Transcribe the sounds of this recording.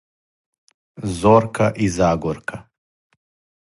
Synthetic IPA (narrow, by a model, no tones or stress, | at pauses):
zoɾkʰaʔizaːɡɔɾkʰa